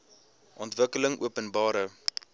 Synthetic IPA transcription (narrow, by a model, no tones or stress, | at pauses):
ʔɔntvəkələŋʔṵəpənbɑːɾə